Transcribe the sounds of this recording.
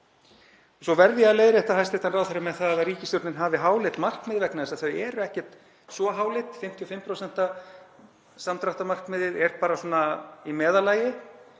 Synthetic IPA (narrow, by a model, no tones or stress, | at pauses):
sɔvɛɾðjaleːjðɾɪɛht̪ahajst̪ejht̪anrawθaɾɪmɛðθaðaðariːcɪst̪jʏɾt̪nɪnɦaːvɪɦaːwlɪt̪mar̥kmɪːðvɛknaðɛsaθœɥɛɾʏɛhcɛr̥t̪ | svɔɦaːwlɪt̪fɪm̥t̪ʰijɔfɪmːpʰɾowsɛn̥t̪a | samt̪ɾaht̪amar̥kmɪːðɪɾɛɾ̥paːɾasɔːnaimɛːðalaːjɪ